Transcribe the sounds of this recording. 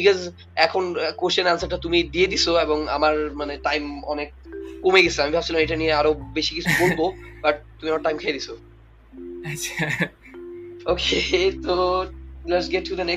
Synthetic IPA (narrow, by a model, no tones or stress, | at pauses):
bikɔz | ɛkʰonkost͡ʃonansaʈat̪umid̪ied̪it͡ɕʰoeboŋa̰maɾmaneʈajmɔnek̚ːomeɡesʰamibʱabt͡ɕʰilameʈanieaɾobeʃikit͡ɕʰuboɾbobaʈ̚t̪umiamaɾʈːajmkʰejed̪isʰo | aɕʰa | oket̪oleʈsɡeʈʰːud̪ɐne